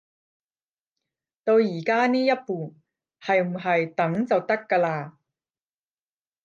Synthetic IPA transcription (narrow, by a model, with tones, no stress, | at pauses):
t̪o˧wjiː˨˩kaː˥niː˥jɐ˥t̚puː˨˩ | hɐ˨jm̩˨˩ɦɐ˨jt̪ɐ˨˥ŋt͡sɐ˨wt̪ɐ˥kːaː˧laː˧